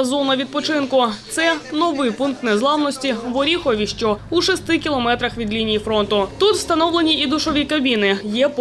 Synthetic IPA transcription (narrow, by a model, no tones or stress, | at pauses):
zɔnɐʋʲid̪̚pɔt͡ʃɪnkʊt̪sɛnɔʋɪjpunk̚t̪nɛzlˠɑwnɔsʲtʲiʋɔɾʲixɔʋʲiʃt͡ʃɔuʃɔst̪ɪkʲilˠɔmɛt̪ɾɐxʋʲid̪lʲinʲijifɾɔnt̪ʊt̪ut̪st̪ɐnɔwlˠenʲiid̪ʊʃɔʋʲikɐbʲinɪjɛp